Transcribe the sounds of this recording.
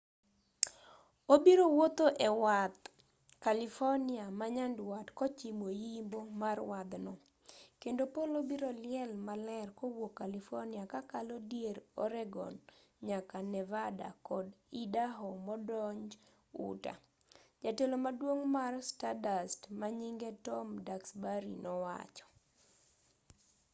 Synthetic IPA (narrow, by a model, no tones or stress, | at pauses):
obiɾowot̪oʔewat̪ | kalifɔrniamaɲandwatkɔt͡ʃimojimbomarwad̪nɔ | kendopolobiɾolɪɛlmalɛrkowokːalifɔrniakakalodjeɾɔ̰ɾɛɡɔ̰nɲakanɛvada̰kɔdidaɦɔmɔdɔɲd͡ʒ | ṵta̰ | d͡ʒatelomadwoŋmarstadastmaɲiŋɡetɔmdaksbaɾinɔwa̰t͡ʃɔ̥